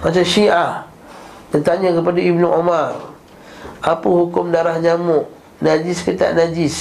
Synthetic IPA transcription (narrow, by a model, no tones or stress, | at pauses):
mat͡ʃamʃiʔa | t̪ənt̪aɲə̃kəpadaibnʊʔomar | ʔapəhukʊmdaɾahɲamʊʔ | nad͡ʒiskət̪a̰ʔnad͡ʒis